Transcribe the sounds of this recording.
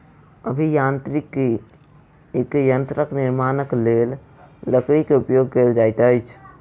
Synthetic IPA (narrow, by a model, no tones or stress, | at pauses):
əbʱijant̪ɾikːe | kejənt̪ɾəkniɾmanəklelː | əkɾikeupjoɡ̚keld͡ʒajt̪əjt͡ʃʰ